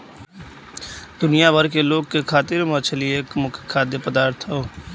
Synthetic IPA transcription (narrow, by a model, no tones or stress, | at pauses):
d̪ʊnɪjabəɾkeloːɡkekʰaːt̪ɪɾmət͡ʃʰelieeːkmʊkʰekʰːaːd̪epəd̪aːɾt̪ʰɦoː